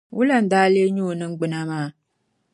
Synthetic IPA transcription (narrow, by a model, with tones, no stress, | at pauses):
wu˦la˦n̩˦daː˦le˦ɲoː˦˨nɨ˦ŋ̩˦ɡ͡bɨ˨˦na˦maː˦˨